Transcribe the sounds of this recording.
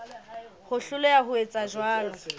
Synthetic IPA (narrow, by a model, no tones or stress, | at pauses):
hʊɬʊlʊjaɦʊet͡sʼaʒwaːlɔ